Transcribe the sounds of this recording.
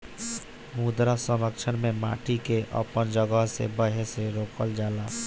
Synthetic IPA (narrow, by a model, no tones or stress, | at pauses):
muːd̪ɾasəmɾəkt͡ʃʰənmẽma̰ːʈikeʔə̰pənd͡ʒəɡəɦsḛbəɦeseɾoːkəld͡ʒaːlaː